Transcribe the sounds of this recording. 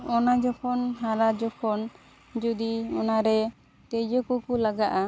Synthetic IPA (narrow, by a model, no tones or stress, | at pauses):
ɔnad͡ʒɔpʰɔnɦaɾad͡ʒɔkʰɔn | d͡ʒud̪iɔnaɾɛ | t̪ɛd͡ʒɔkɔkulaɡaʔa